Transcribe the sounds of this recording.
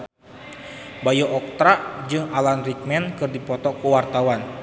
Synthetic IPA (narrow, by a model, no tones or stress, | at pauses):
bajɔʔɔk̚t̪ɾaʔd͡ʒɨŋalanrik̚mɛnkɨrdipɔt̪ɔkuwart̪awan